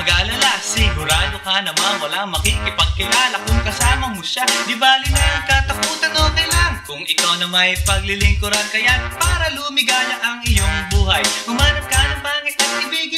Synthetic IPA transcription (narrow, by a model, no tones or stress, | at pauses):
ɐɡaʔlɐlasɪɡʊɾaːd̪okanɐmanwɐlaŋmɐkikɪpɐɡ̚kɪlaːlɐkʊŋkɐsaːmɐmoʃad̪ɪbaːlɪnɐɐŋkɐt̪ɐkuːt̪ɐnoːt̪ɪnlɐŋkʊŋɪkawnɐmɐjpɐɡlɪlɪŋkʊɾankɐjapaːɾɐlumɪɡaːlɐʔɐŋɪjoŋbuːɦɐjhʊmaːnɐt̪̚kanɐŋbaːkɪt̪ɐt̪̚kɪbiːɡɪ